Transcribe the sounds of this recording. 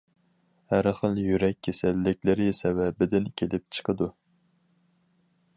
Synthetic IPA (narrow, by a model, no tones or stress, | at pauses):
hæɾχəlˠjyɾɛkʲʰːesælːɪkʲlɪɾɪsɛwɛbɪd̪ɪnkʲʰelɪp̚t͡ʃʰə̥qʰəd̪u